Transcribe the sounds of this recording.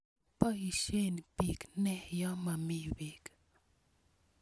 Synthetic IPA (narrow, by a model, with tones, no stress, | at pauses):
pɔ˦i˨ʃe˦npi˨knɛ˦jɔ˦ma˨mi˦wi˨k